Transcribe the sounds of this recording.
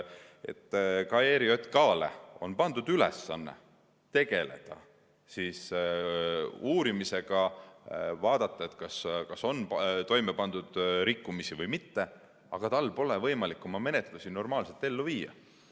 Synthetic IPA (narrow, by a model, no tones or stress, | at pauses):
e̞̰t̪ːkɑeːɾiot̪kɑːlḛo̞̰npɑnd̪ud̪̥ylḛsːɑ̰nːḛ | t̪e̞ɡ̥e̞le̞̰d̪̥ɑ̰ | siːs | uːɾimise̞ɡ̥ɑ | vɑːd̪ɑt̪ˑːɑe̞t̪ˑkɑskɑso̞nt̪o̞jmepɑnd̪̥ud̪̥ɾikːumisivɤjmit̪ːe | ɑɡ̥ɑt̪ɑlːpo̞levɤjmɑlikːˑo̞mɑme̞net̪ˑlusino̞rmɑːlse̞lt̪ːe̞lːuviːjɑ̰